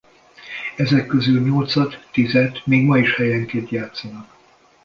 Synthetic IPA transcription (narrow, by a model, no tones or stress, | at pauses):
ɛzɛkːøzylɲo̞lt̪sɒt̪ːizɛt̪meːɡmɒiʃhɛjɛŋkeːnt̪jaːt̪sɒnɒk